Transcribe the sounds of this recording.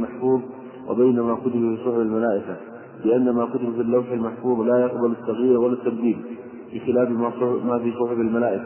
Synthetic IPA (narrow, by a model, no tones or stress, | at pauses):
maħfuːðˤ | wʔɪ̰bajnamakʊt̪ɪbafiːsˤʊħɪbalmalaːʔɪka | bɪʔanːamakʊt̪ɪbafilːawħalmaħfuːðˤlajaqbalat̪ːaɣjiːɾwalːat̪ːabd̪iːb | bɪxɪlaːfmaˤmafisˤʊħɪbalmalaːʔɪka